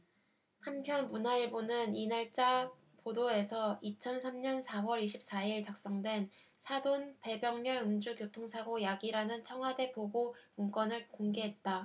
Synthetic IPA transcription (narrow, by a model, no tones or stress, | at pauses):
hampʰjʌnmunaiɭbonɯninaɭt͡ɕ͈a | podoe̞sʰʌit͡ɕʰʌnsʰamɲʌnsʰawʌɾiɕʰip̚s͈aiɭt͡ɕak̚s͈ʌŋdwe̞n | sʰadonpe̞bjʌŋɲʌɭɯmd͡ʑukjotʰoŋsʰaɡojaɡiɾanɯnt͡ɕʰʌŋɦwade̞poɡouŋk͈wʌnɯɭkoŋɡe̞ɦe̞t̚t͈a